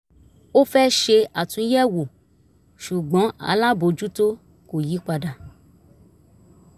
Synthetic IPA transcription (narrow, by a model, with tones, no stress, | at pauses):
o˦fɛ˦ʃe˧a˨tũ˧˦jɛ˦wo˨ | ʃu˨ɡ͡bɔ̃˨˦a̰˧la˦bo˧d͡ʒu˦to˦ | ko˨ji˨˦k͡pa˧da˨